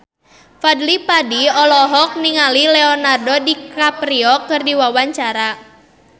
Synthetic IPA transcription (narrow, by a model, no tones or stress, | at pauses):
fadlipadiɔlɔɦɔk̚niŋalilɛɔnardodikapɾiɔkɨrdiwawaɲt͡ʃaɾa